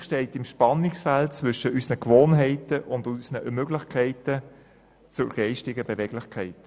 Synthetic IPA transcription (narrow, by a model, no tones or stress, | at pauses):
ʃtɛɪtɪmʃpɑnɪksfæltt͡sʋʏʃəysnəkʋoːnɦɛɪtəʔʊndusnəmøɡlɪχkʰæɪtə | t͡sʊə̰ɡ̥ɛɪʃtɪɡəbevɛɡ̥lɪχkʰɛɪt